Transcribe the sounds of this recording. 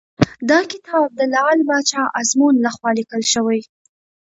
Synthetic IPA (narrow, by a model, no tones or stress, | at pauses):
d̪ɑkɪt̪ɑb̚d̪əlɑlbɑt͡ʃɑʔazmunlaxwɑlikəlʃəwaj